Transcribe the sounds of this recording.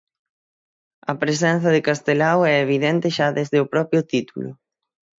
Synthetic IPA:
ɐpɾes̬ɛnθɐðɪkast̪elawɛeβ̞iðɛnt̪ɪʃaðezðɪʊpɾɔpjʊt̪it̪ṵlʊ̰

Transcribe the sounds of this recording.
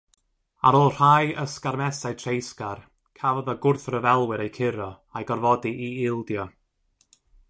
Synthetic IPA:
aɾoːlˠr̥ajəskarmɛsajtʰrejskar | kʰavɔðaɡʊrθrəvɛlˠwɪɾejkʰɪɾɔ | ajɡɔrvɔdiʔiɪlˠdjɔ

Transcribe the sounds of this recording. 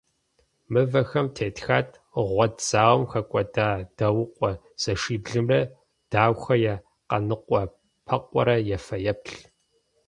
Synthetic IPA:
mɨvɐxɐmtʰeːtxaːtʰ | ʁʷɔdz̥aːwɐmxɐkʷʼɔdaːd̥ɐwʊqʷʼɔ | z̥ɐʂiːbɮɨmrɐ | d̥aːwxɐja | qɐ̰nɨqʷʼɔ | pʰɐqʷʼɔ̰ɾɐjɛfɐjɛpɬ

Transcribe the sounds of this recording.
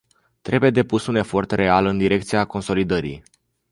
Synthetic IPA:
t̪ɾe̞buje̞d̪e̞pusune̞fo̞rt̪re̞alɨnd̪iɾe̞k̚t̪sijako̞nso̞lid̪əɾḭj

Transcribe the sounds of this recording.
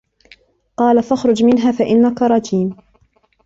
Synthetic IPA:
qɑːlafaxɾˤʊd͡ʒmɪnɦaːfaʔɪnːakaɾˤɑd͡ʒiːm

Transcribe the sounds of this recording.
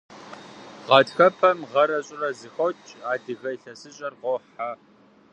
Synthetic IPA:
ʁɑtxɐpʰɐmʁɐɾɐɕʼɪrɐzɨxowt͡ʃʼaːdɨɣɐɬɐsɨɕʼɐrʁɔħa

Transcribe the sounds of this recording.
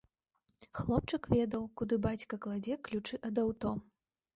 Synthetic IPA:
xlˠɔp̚t͡ʂɨkvʲɛd̪ɐwkud̪ɨbat͡sʲkɐklˠad͡zʲɛklʲut͡ʂɨʔɐd̪awt̪ɔ

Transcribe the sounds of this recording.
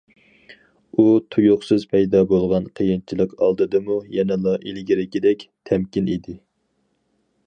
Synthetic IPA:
ut̪ʰujuχsɨzpʰɛjd̪ɑbolˠʁɑnqʰəjɪnt͡ʃʰilˠəqɑ̰lˠd̪ɨd̪ɨmujɛnɛlˠɑʔilɡʲiɾɪkʲid̪ɛkʲt̪ʰɛmkʲinid̪ɪ

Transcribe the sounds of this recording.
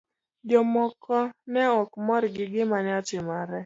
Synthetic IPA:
d͡ʒɔmɔkʰɔnɛɔkmɔɾɡɪɡɪmaɲat͡ʃɪmaɾɛ

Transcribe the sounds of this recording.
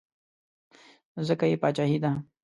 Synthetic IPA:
zəkajepaːt͡ʃaɦid̪a

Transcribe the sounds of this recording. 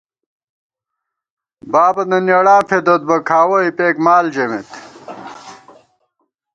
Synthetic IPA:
baːbɐnɐneɽaːfʰed̪ot̪̚bɐkʰaːwɐipeːkmaːld͡ʑɐmet̪

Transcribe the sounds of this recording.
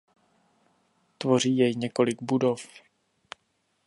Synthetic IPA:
t̪vo̞r̝iːjɛjɲɛko̞lɪɡbudo̞f

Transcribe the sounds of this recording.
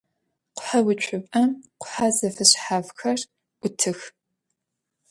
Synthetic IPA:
qʷʊ̥ħawʊt͡ʃʷʼʰʊpʼɐmqʷʊ̥ħazɐfɨɕħaːvxɐrʷ | ʊtʰɨx

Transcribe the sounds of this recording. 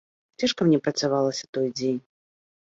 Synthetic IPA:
t͡sʲaʂkɐmnʲɛpɾɐt̪savalˠɐsʲɐt̪ɔjd͡zʲenʲ

